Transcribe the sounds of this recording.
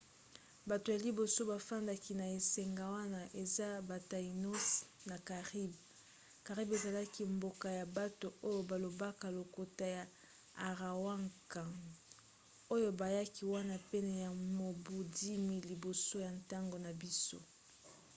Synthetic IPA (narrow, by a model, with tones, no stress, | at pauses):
ba˨to˨ja˨li˨bo˨so˦ba˨fa˦nda˦ki˨na˨e˨sɛ˨ŋɡa˨wa˦na˦ʔe˨za˦ba˨ta˨i˨no˦sna˨ka˨ʁi˦b | ka˨ʁi˦be˨za˨la˦ki˦mbo˨ka˨ja˨ba˦to˨o˦jo˨ba˨lo˨ba˦ka˨lo˨ko˨ta˦ja˨ | a˨ʁa˨wa˦ŋka˨ | o˦jo˦ba˨ja˦ki˦wa˦na˦pe˦nɛ˨ja˨mo˨bu˨di˦mi˦li˨bo˨so˦ja˨nta˦ŋɡo˨na˨bi˦so̰˦